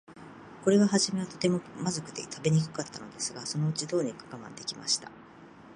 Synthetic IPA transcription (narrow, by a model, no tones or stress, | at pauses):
ko̞ɾe̞βaɦaʑime̞βat̪o̞t̪e̞momazokɯ̟d̪e̞̰t̪ʰabe̞ɲ̟ikɯ̟̥kat̪ːano̞d̪e̞sɨɡaso̞no̞ɯ̟t͡ɕid̪o̞ːɲ̟ikḁkamã̰nd̪e̞kʲima̰ɕi̥t̪a